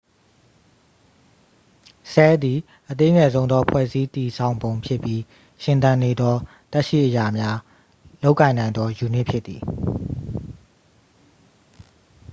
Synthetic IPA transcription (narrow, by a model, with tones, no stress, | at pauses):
sɛ˦d̪i˨ | ʔət̪e˦ŋɛ˨zõ˦ʊ̃nd̪ɔ˦pʰwɛ̰˦˨zi˦t̪i˨sʰã˨ʊ̃mbõ˨ʊ̃mpʰjɪ˦pːji˦ | ʃɪ̃˨nt̪ã˨ne˨d̪ɔ˦ | t̪ɛ˦ʔʃḭ˦˨ʔəja˨mja˦ | lo˦ʊʔkːã˨ɪ̃nã˨ɪ̃nd̪ɔ˦ju˨n̥ɪ˦ʔpʰjɪ˦t̪t̪ːḭ˨